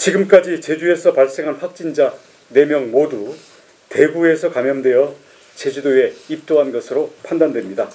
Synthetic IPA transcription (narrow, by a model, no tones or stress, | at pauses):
t͡ɕiɡɯmk͈ad͡ʑit͡ɕe̞d͡ʑue̞sʰʌpaɭs͈eŋɦanɸwak̚t͡ɕ͈ind͡ʑa | ne̞mjʌŋmodu | te̞ɡue̞sʰʌkamjʌmdwe̞jʌ | t͡ɕe̞d͡ʑudoe̞ip̚t͈oɦanɡʌsʰɯɾopʰandandwe̞mɲida